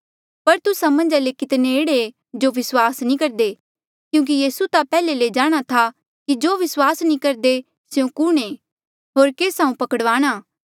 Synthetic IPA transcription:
pɐɾt̪ʊsãmɐ̃nd͡ʒalekɪt̪nẽeːɽee | d͡ʒoʋɪswaːsnĩkɐɾd̪e | kjũːk̬ijiːsut̪apɛːleled͡ʒaːɽ̃at̪ʰa | kid͡ʒoːʋɪswaːsnĩkɐɾd̪e | sejõkʊɽ̃eː | ɦoːɾkeːsãːũpɐkəɽʋaːɽ̃aː

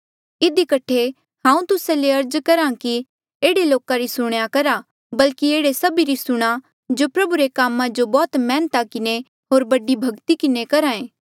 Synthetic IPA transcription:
ɪd̪ikɐʈʰe | hãːũt̪ʊseleɐɾd͡ʒkɐɾãki | eːɽeloːkaɾisʊɽ̃jakɐɾa | bɐlkieːɽesɐbiɾisʊɽ̃a | d͡ʒopɾɐbuɾekaːmãd͡ʒobɔːt̪mɛːnt̪akɪne | ɦoːɾbɐɖibʱɐɡt̪ikɪnekɐɾaẽː

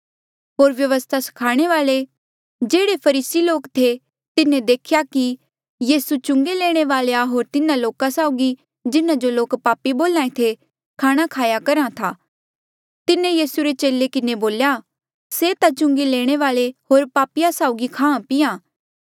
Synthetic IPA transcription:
ɦoːɾʋjɐʋəst̪ʰasɐ̥kʰaːɽ̃eʋaːle | d͡ʒeːɽepʰɐɾiːsiloːkt̪ʰe | t̪ɪnẽd̪eːkʰjaki | jiːsut͡ʃʊ̃ŋɡeleːɽ̃eʋaːlejaɦoːɾt̪ɪnãloːkasaʊɡi | d͡ʒɪnãd͡ʒoloːkpaːpːiboːlãːẽt̪ʰe | kʰaːɽ̃akʰaːjakɐɾãt̪ʰaː | t̪ɪnẽjiːsuɾet͡ʃeːlekɪneboːlja | set̪at͡ʃʊ̃ŋɡeleːɽ̃eʋaːleɦoːɾpaːpɪjasaʊɡikʰãːãpɪjãː

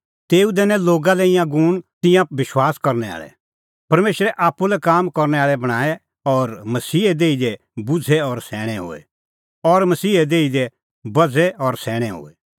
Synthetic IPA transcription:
t̪eːud̪ɛːnɛloːɡalɛɪjãɡuːɽ̃t̪ɪjãʋɪʃwaːskɐɾnɛa̰ːɭɛ̰ | pɐɾmeːʃɾɛʔaːpːulɛkaːmkɔɾnɛaːɭɛbɐɽ̃aːɛ | ɔɾmɐsiːɛd̪eːid̪ɛ | bʊd͡zʱɛɔɾsɛːɽ̃ɛɦo̰ːɛ̰ | ɔɾmɐsiːɛd̪eːid̪ɛ | bɐd͡zʱɛɔɾsɛːɽ̃ɛɦo̰ːɛ

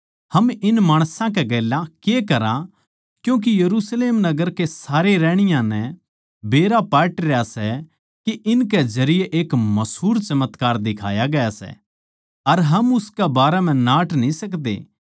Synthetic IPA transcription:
hɐmɪnmaːɽ̃sãk̬ɛɡɛːlãkekɐɾã | kjũːk̬ijɐɾuːsleːmnɐɡəɾkesaːɾeɾɛːɽ̃ɪjãnɛ | beːɾapɛːʈɾejasɛ | kiʔɪnk̬ɛzɐɾɪjeʔeːkmɐsɦuːɾt͡ʃɐmət̪kaːɾd̪ɪkʰa̰ːjaɡɐjasɛ̰ | ɐɾɦɐmʊskɛbaːɾɛmɛ̃naːʈnĩsɐkd̪ḛː

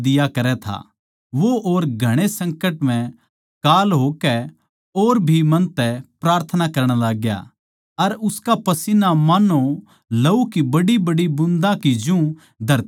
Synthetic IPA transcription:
d̪ɪjakɐɾɛt̪ʰa̰ | ʋoʔoːɾɡʱɐɽ̃esɐ̃ŋkəʈm̤ɛ̃ | kaːlɦoːkɛ | oːɾbʱimɐ̃nt̪ɛpɾaːɾt̪ʰənakɐɾɽ̃alaːɡja̰ | ɐɾʊskapɐsinamaːno | lɐukibɐɽibɐɽibʊ̃nd̪ãkid͡ʒũ | d̪ʱɐɾt̪

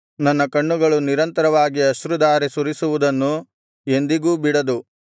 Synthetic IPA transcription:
nɐnːɐkɐɳːuɡɐɭuniɾɐnt̪ɐɾɐʋaːɡiɐʃɾud̪aːɾisuɾisuʋud̪ɐnːu | e̞nd̪iɡuːbiɽɐd̪u

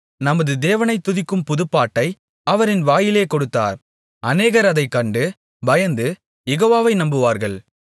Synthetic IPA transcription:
nɐmɐðɯd̪eːʋɐnɐɪt̪ːʊðɪkːɯmpʊðɯpːaːʈːɐɪ | ɐʋɐɾɪnʋaːjɪleːkɔɽɯt̪ːa̰ːɾ | ɐneːɣɐɾɐðɐɪkːɐɳɖɯ | bɐjɐnd̪ɯ | jɛɣoːʋaːʋɐɪnɐmbɯʋaːɾɣɐɭ

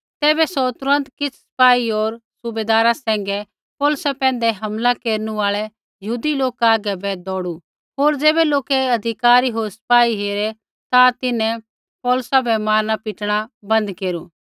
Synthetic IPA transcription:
t̪ɛːbɛsɔt̪ʊɾə̃nt̪kɪt͡sʰsɐ̥paːioːɾsʊbeːd̪aːɾasɛ̃ːŋɡɛ | pɔːlʊsapɛ̃ːnd̪ɛɦɐmlakeːɾnũaːɭɛ | jɐɦuːd̪iloːkaːɡɛbɛd̪ɔːɽu | ɦoːɾd͡ʒeːbɛloːkɛɐd̪ʱɪkaːɾiɦoːɾsɐ̥paːiɦeːɾɛ | t̪at̪ɪnɛ̃ | pɔːlʊsabɛmaːɾnapɪʈɽ̃abɐ̃nd̪keːɾu

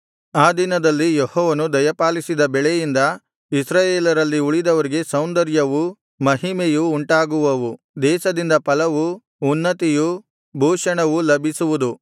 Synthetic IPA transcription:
aːd̪inɐd̪ɐlːijehɔːʋɐnud̪ɐjɐpaːlisid̪ɐbɛɭejind̪ɐ | isɾaːjeːlɐɾɐlːiuɭid̪ɐʋɐɾiɡe̞sɐwnd̪ɐɾjɐʋu | mɐɦimejuːɳʈaːɡuʋɐʋu | d̪ɛːʃɐd̪ind̪ɐpɐlɐʋuː | nːɐt̪iju | bʱuːʂɐɳɐʋulɐbʱisuʋud̪u

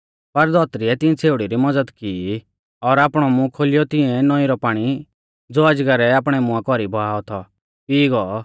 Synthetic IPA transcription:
pɐɾd̪ɔt̪ɾiɛt̪ɪ̃ɛ̃t͡sʰeːuʊɽiɾimɐd͡zəd̪kiː | ɔɾaːpɽ̃ɔmũkʰoːlɪjɔt̪ɪ̃ɛ̃nɔĩɾɔpaːɽ̃i | d͡zoːɐd͡ʒɡəɾɛaːpɽ̃ɛmʊ̃ãkɔɾibʱɔɦaːɔt̪ʰɔ | piːɡɔ

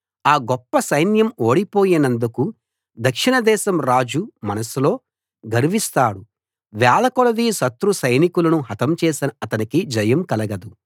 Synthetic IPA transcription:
aːɡɔpːɐsɐjnjɐmoːɽipo̞ːjinɐnd̪uku | d̪ɐkʂiɳɐd̪ɛːʃɐmɾaːd͡ʒumɐnɐsilo̞ː | ɡɐɾiʋist̪aːɽu | ʋɛːlɐkɔlɐd̪iːsɐt̪ɾusɐjnikulɐnuɦɐt̪ɐmt͡ʃɛːsinɐɐt̪ɐnikid͡ʒɐjɐmkɐlɐɡɐd̪u

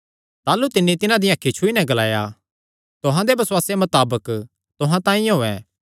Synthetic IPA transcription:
t̪aːlut̪ɪnːit̪ɪnãd̪ɪjãkʰɪt͡ʃʰuinɛ̃ɡɐla̰ːja | t̪ʊɦãd̪ebɐswaːsemɐt̪aːbək | t̪ʊɦãt̪ãːĩɦoːɛ̃ː

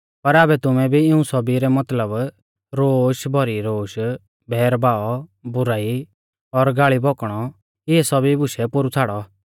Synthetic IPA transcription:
pɐɾaːbɛt̪ʊmɛ̃bʱiɪũsɔbiɾɛmɐt̪ləb | ɾoːʃbʱɔɾiɾoːʃ | bʱɛːɾbaːɔbʊɾaːi | ɔɾɡaːɭibʱɔkɽ̃ɔ | ɪɛsɔbibʊʃɛpʊɾut͡sʰaːɽɔ

